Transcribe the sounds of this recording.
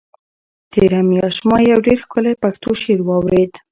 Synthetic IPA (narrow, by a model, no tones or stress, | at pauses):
t̪eɾamjɑʃmɑjawɖeɾxkʊlapaxt̪oʃeɾwɑwɾed̪